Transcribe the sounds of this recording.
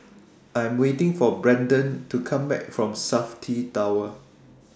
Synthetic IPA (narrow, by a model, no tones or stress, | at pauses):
ʔãj̃mwetɪ̃ŋfɔbɹɛ̃ndə̃ntukʰãmbɛ̰k̚fɹɔ̃msaftʰitawə